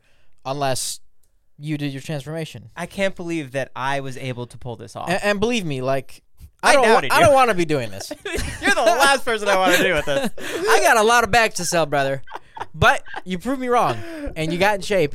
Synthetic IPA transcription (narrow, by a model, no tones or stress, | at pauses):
ə̃nlɛs | jɨdɨjə˞tʰɹ̥æ̃nsfə˞meɪʃɨ̃nʔaɪkʰæ̃nb̥əlivðɨɾaɪwʌzeɪbl̩ˠtʰəpʰʊlˠðɪ̰sɔ̰̃ɨ̃nbəlivmilaɪk | aɪõaɪdõʊ̃nʔwɑ̃nɨbidʉɪ̃ŋðɪ̰sjə˞ðəlæst̚vɜ˞sə̃naɪwɑ̃nɨdɨwɨððɪsaɪɡɑɾəlɔɾʌbæk̚tʰɨsɛlˠbɹʌðə˞ | bʌt͡ʃ̚ɨpʰɹ̥ʉvmiɹɔ̃ŋ | ɨ̃njɨɡɑɾn̩ʃeɪp